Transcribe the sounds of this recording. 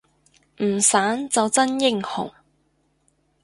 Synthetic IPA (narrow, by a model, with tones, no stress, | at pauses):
m̩˨˩saː˨˥nt͡sɐ˨wt͡sɐ˥njɪ˧˨ŋhʊ̰˨˩ŋ